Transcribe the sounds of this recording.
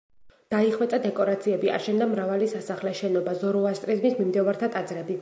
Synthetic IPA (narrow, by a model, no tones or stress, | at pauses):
d̪̥aiχwɛt̪sʼad̪ɛkʼɔɾat̪sʰiɛbia̰ʃɛnd̪amɾavalisasaχlɛʃɛnɔbazɔɾɔast̪ʼɾizmismimd̪ɛvaɾt̪ʰat̪ʼad̪zɾɛbi